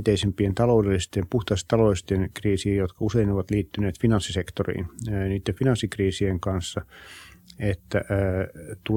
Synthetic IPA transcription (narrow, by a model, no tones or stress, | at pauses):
t̪eisempient̪ɑloudelːist̪empuht̪ɑist̪ɑloist̪enkriːsiːjot̪kɑuseinoʋɑt̪liːt̪ːyneːt̪finɑnsːisekt̪orḭːnniːt̪ːefinɑnsːikriːsieŋkɑnsːɑ | et̪ːæʔːt̪u